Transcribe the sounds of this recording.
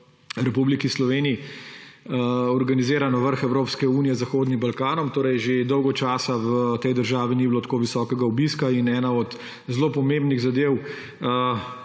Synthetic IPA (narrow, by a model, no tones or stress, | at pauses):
ɾɛpublikislɔʋeːnii | ɔɾɡanizeːɾanaʋəɾxɛwɾoːpskɛuːnijɛzaxoːd̪nimbalkaːnɔmt̪oːɾɛjʒed̪ɔwɡɔt͡ʃaːsaʋt̪ɛjd̪əɾʒaːʋiniːbilot̪koːʋisɔːkɛɡaubiskainɛːnaɔt̪ | zloːpɔmẽmbniɣzad̪eːw